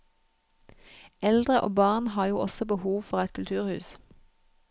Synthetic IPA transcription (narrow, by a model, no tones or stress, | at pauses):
ɛld̪ʁəʔo̰ːbɑːʁnhɑːjuːʔɔsɔbəhuːʋfɔʁɛt̪kʰʉlt̪ʰʉːʁhʉ̰ːs